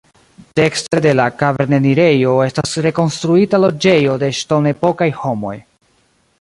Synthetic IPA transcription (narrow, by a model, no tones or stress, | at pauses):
te̞kstede̞lakave̞ɾneniɾe̞jo̞e̞stasɾe̞ko̞nstɾuitalo̞d͡ʒe̞jo̞de̞ʃto̞ne̞po̞kajho̞mo̞̰j